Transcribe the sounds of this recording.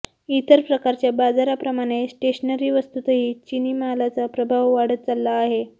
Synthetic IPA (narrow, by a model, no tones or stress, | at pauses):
it̪əɾpɾəkaɾt͡ɕjabad͡zaɾapɾəmaɽ̃esʈeɕənəɾiːʋəst̪ut̪əɦiːt͡ɕiniːmaɦalat͡sapɾəbʱaʋːaɽət̪̚t͡salːaːɦe